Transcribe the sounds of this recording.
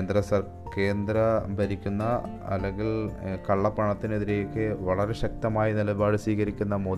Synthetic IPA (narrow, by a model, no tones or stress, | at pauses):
nd̪ɾɐsɐr | ke̞ːnd̪ɾɐbʱɐɾikʲːunːɐ | ɐ̰lːeŋɡilkɐɭːɐpːɐɳɐt̪ːineðiɾe̞jokːɨʋɐɭɐɾe̞ɕɐk̚t̪ɐmaːjinilɐbaːɽɨsiːɣɐɾikʲːunːɐmoː